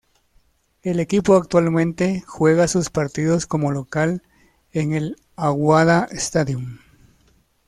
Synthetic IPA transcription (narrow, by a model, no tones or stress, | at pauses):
e̞le̞kipo̞ak̚t̪walmẽ̞nt̪e̞xwe̞ɣasuspaɾt̪iðo̞sko̞mo̞lo̞kal | eŋe̞l | aɣwaðaest̪aðjum